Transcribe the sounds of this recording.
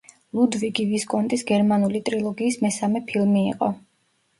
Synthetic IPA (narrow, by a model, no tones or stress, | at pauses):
lˠud̪viɡiviskʼɔnt̪ʼisɡɛɾmanulit̪ʼɾilˠɔɡiːsmɛsamɛpʰilˠmḭːqʼɔ